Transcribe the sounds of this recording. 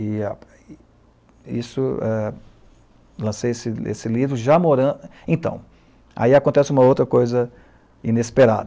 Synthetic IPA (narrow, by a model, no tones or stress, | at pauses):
ɪ | isʊɛ | lɐ̃sejesɪḛsɪlivɾʊʒamoɾɐ̃ẽt̪ɐ̰̃w̃ | a̰iakõnt̪ɛsɪũmɐowt̪ɾɐkojzɐ | inespeɾa̰d̪